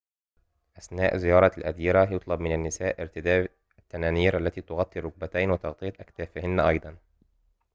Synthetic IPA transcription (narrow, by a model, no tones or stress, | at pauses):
ʔasnaːʔzɪjɑːɾˤɑlʔad̪iːɾajʊt̪ˤlɑbmɪnanːɪsaːʔɪɾt̪ɪd̪aː | at̪ːanaːniːɾʔalːæt̪iːt̪ʊɣɑt̪ˤːirˤɾːʊɡ̚bat̪ajnwɪt̪ɑɣt̪ˤɨjæt̪ʔakt̪aːfɪhɪnːʔɑjd̪ˤɑn